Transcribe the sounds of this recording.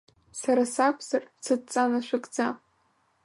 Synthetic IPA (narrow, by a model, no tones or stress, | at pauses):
saɾasakʷʰʼzart͡sʰɨt̚t͡sʼanaʃʷᶣakʼd͡za